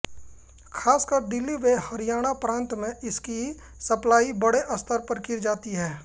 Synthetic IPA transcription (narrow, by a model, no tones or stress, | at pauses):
kʰaːskəɾd̪ɪlːiʋehɐɾɪjaːɽ̃apɾãːnt̪mẽʔɪski | sɐplaːibɐɽeʔɐst̪ʰəɾpɐɾkɪɾd͡ʒaːt̪iɦɛː